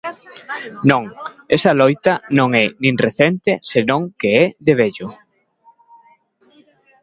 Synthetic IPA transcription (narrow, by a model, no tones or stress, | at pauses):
nõŋ | esɐlojt̪ɐnõŋɛnĩŋreθent̪esenõŋkeɛðeβeʎʊ